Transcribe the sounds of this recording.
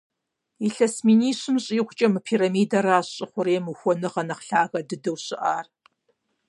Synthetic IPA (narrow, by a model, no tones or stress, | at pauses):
iɬɐsmiːniːɕɨmɕʼiːχʷʊt͡ʃʼɐmɨpʰiːɾɐmiːdɐraːɕʼɪχʷʊɾeːmɨxʷɔnɨʁɐnɐχɬaːɣɐdɨdɐwɕɪʔaːr